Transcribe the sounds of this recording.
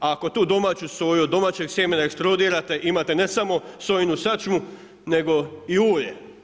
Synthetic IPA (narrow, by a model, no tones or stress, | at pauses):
aːko̞t̪uːd̪o̞maːt͡ɕusojuod̪ːo̞maːt͡ɕe̞ɡsjemenaekst̪ɾod̪iːɾat̪e̞ʔimaːt̪e̞ne̞samo̞sojnusat͡ʃmu | ne̞ɡo̞iuːʎḛ